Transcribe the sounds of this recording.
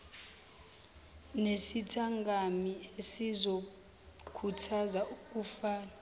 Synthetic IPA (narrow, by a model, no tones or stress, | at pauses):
nesitʰaŋɡʱamiesizo | kʰutʰazauk̬ʼufaːna